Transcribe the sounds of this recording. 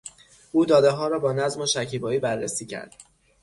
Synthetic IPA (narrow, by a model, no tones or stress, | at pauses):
ʔuːd̪ɒːd̪eɦɒːɾɒːbɒːnæzmoʃæcʰiːbɒːiːbærːesiːcʰæ̰ɾd̪̥